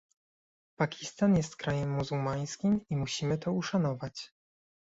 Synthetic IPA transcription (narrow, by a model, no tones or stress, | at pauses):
pakʲist̪anjɛst̪kɾajɛmːuzuwmaj̃skʲimimuɕimɘt̪ɔuʂanɔvat͡ɕ